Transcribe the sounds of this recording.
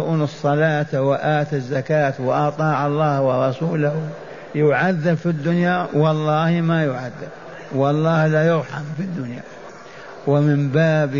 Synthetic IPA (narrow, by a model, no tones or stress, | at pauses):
ʔuːnɨsˤːɑlaːt̪wɪʔaːt̪azːakaːt̪wɪʔɑt̪ˤɑːʕɑlˤːɑːhwɑɾˤɑsuːlah | jʊʕaðːɪbfid̪ːʊnjawɑlˤːɑːhmajʊʕaðːɪb | wɑlˤːɑːhlajʊɾħamfid̪ːʊnja̰ | wɪmɪmbaːb